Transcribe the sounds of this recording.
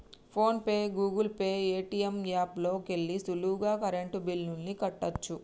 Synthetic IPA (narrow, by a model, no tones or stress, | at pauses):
pʰo̞ːnpe̞ːɡuːɡulpe̞ːeːʈiːjemɡaːplo̞ːke̞ɭːisuluːɡaːkɐɾeɳʈubilnunːikɐʈːɐt͡ʃːu